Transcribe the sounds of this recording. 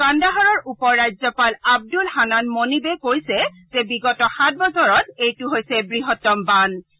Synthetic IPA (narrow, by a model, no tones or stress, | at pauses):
kandaɦɔɹɔɹupɔɹːajzɔpalab̚dulhananmonibɛkojsɛ | zɛbiɡɔtɔxat̚bɔsʰɔɹɔtejtʊɦojsɛbɹiɦɔtːɔmban